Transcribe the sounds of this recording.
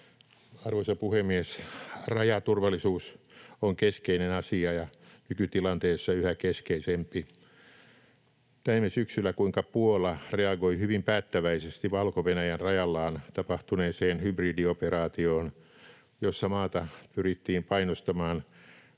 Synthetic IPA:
ɑrʋosɑpuhemːiesrɑjɑt̪urʋɑlːisuːsoŋkeskeinenɑsiɑjɑnykyt̪ilɑnt̪eːsːɑyhækeskeisempi | t̪æimesyksylːˑækuiŋkɑpuolɑreɑɡoihyʋimpæːt̪ːæʋæisest̪iʋɑlkoʋenæjænrɑjɑlːɑːnt̪ɑpɑht̪uneːseːnhybriːdioperɑːt̪ioːn | josːɑmɑːt̪ɑpyrit̪ːiːmpɑinost̪ɑmɑːn

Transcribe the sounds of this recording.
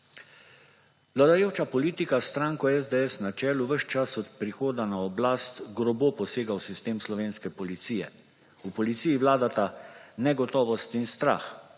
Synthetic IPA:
ʋlad̪ajoːwt͡ʃapɔliːt̪ikast̪ɾaːŋkɔɛzd̪ɛɛsnat͡ʃɛːluʋəʃt͡ʃasɔt̪pɾixoːd̪anaɔblast̪ɡɾɔboːpɔseːɡawsist̪eːmslɔʋeːnskɛpɔlit̪sijɛ̰ | upɔlit̪siːjiʋlaːd̪at̪anɛɡɔt̪ɔːʋɔst̪inst̪ɾa̰x

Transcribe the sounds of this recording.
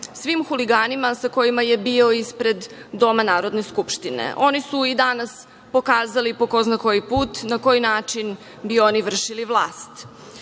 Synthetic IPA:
sʋimxuliɡaːnimasako̞jimaje̞bio̞ispɾe̞d̪ːo̞manaːɾod̪ne̞skupʃt̪inḛʔo̞nisuid̪anas | po̞kaːzalipo̞ko̞znako̞jipuːt̪nako̞jinaːt͡ʂin | bio̞niʋr̩ʃiliʋlˠaːst̪

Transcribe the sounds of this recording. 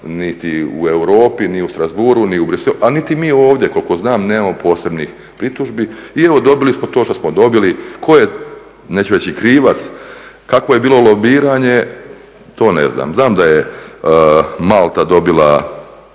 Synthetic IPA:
nit̪iṵe̞wɾo̞ːpiniust̪ɾazbuɾuniubɾiseluʔanit̪imiːo̞ːʋd̪jeko̞lˠko̞znaːmneːmampo̞ːse̞bnix | pɾit̪uʒbiieʋo̞d̪o̞bilismo̞t̪oʃt̪osmod̪o̞bilikʰo̞je | ne̞t͡ɕuɾet͡ɕikɾiːʋat̪skakʋoje̞biːlo̞lˠo̞biːɾaːɲe̞ | t̪o̞ːnḛzna̰ːmznaːmd̪aje | malˠt̪ad̪o̞bilˠa̰

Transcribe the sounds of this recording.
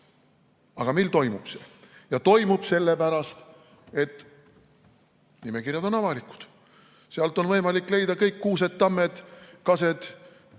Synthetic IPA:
ɑɡ̥ɑmejlt̪o̞jmub̥se | jɑt̪o̞jmub̥se̞lːepæɾɑst̪ | e̞t̪ːˑ | nimekirjɑd̪̥o̞nɑvɑliku̥d̪̥ | seɑlt̪ˑo̞nvɤjmɑlikːˑle̞jd̪ɑkɤjkːuːsed̪̚t̪ːɑmːed̪̥kɑse̞d̪̥

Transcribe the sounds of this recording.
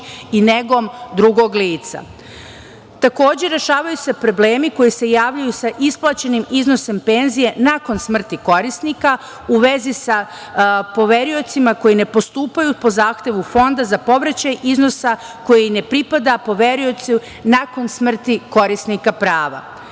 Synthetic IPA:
ine̞ɡo̞md̪ɾuɡo̞ɡliːt̪sa̰ | t̪ako̞ːd͡ʑe̞ɾe̞ʃaːʋajuse̞pɾo̞ble̞ːmiko̞jise̞jaːʋʎajusaʔisplˠat͡ɕe̞nimizno̞se̞mpe̞nzije̞nako̞nsmr̩t̪iko̞ɾisnika | uʋe̞zisa | po̞ʋe̞ɾio̞t̪simako̞jine̞po̞st̪uːpajupo̞zaːxt̪e̞ʋufo̞nd̪azapo̞ʋɾat͡ɕajizno̞sa | ko̞jine̞pɾipad̪apo̞ʋe̞ɾio̞t̪su | nako̞nsmr̩t̪iko̞ɾisnikapɾaːʋa̰

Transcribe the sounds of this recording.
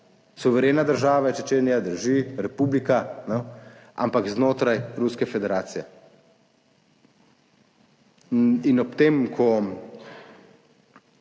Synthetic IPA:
suʋɛɾeːnad̪əɾʒaːʋaɛt͡ʃɛt͡ʃeːnjad̪əɾʒiɾɛpublikanɛʔa̰mpakznoːt̪ɾajɾuskɛfɛd̪ɛɾaːt̪sijɛ | inɔpt̪emkʰɔ

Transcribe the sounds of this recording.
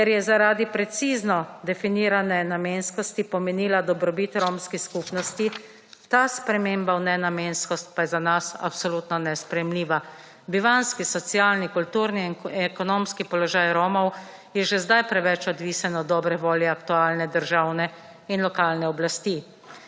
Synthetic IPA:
kɛɾjɛzaɾaːd̪ipɾɛt̪siːznɔd̪ɛfiniːɾanɛnameːnskɔst̪ipɔmɛniːlad̪ɔbɾɔbit̪ɾomskiskupnɔst̪i | t̪aspɾɛmeːmbawnɛnamenskɔst̪̚pajɛzanasa̰psɔluːt̪nɔnɛspɾɛjɛmliːʋa | biʋanskisɔt̪sjaːlnikult̪uːɾniɛkɔnomskipɔlɔʒaːjɾoːmɔw | jɛʒɛzd̪ajpɾɛʋɛt͡ʃɔd̪ʋisɛnɔd̪ɔːbɾɛʋoːljɛakt̪uaːlnɛd̪əɾʒawnɛ | inlɔkaːlnɛɔblast̪i

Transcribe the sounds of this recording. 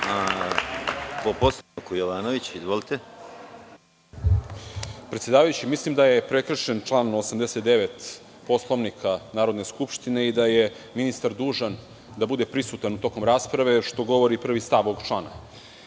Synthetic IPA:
a | poposaokojoʋaːnoʋit͡ɕizʋolit̪e | pɾet̪sjedaːʋajut͡ɕimislimd̪aje̞pɾe̞kr̩ʂe̞nt͡ʂlˠaːnosamd̪e̞set̪d̪e̞ʋe̞t̪ | po̞slˠo̞ʋnikʰanaːɾo̞d̪ne̞skupʃt̪ine̞id̪aje̞ | minist̪aɾd̪uːʐan | d̪abud̪e̞pɾisut̪anut̪o̞ko̞mɾaːspɾaʋe̞ʃt̪o̞ɡo̞ʋo̞ɾipr̩ʋist̪aʋoɡt͡ʂlˠaːna̰

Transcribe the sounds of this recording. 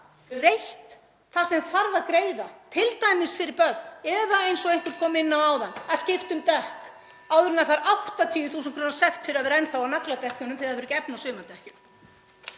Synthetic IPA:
rejht̪ | θḁsɛmθaɾvaɾkɾeːjðat̪ʰɪlt̪ajmɪsfɪɾɪɾpœk̚nɛðaejnsɔɣejŋ̥k̪ʏɾkʰɔːmɪnːawaːwðanːaðscɪft̪ʏmt̪ɛhk | aːwðʏɾʏnðafaɾʔawht̪at̪ʰiːʏθus̬ʏnkʰɾɔnḁsɛxt̪fɪɾɪɾavɛɾɛnθawawnaklat̪ɛhcʏnʏmfθɪɾaðvʏɾʏcɛpnasʏːmat̪ɛhcʏm

